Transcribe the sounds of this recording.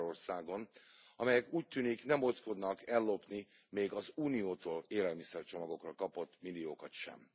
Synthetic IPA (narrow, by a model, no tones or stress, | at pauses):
ɾo̞rsaːɡo̞nɒmɛjɛkuːc̚t̪yːniknɛmosko̞d̪nɒkɛlːopni | meːɡɒzuːnijoːt̪oːleːlɛlmisɛrt͡ʃo̞mɒɡo̞krɒkɒpo̞t̪ːmilːioːkɒt̪ʃɛ̰m